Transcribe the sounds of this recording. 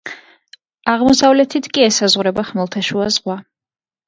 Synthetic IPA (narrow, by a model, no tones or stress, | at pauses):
aʁmɔsavlɛt̪ʰit̪ʰkʼiɛsazʁuɾɛbaχmɛlˠt̪ʰɛʃuazʁwa